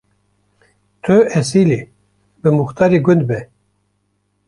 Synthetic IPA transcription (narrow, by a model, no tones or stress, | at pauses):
t̪ʰøɛsili | bɨmuxt̪ɑːɾiɡʊnd̪bɛ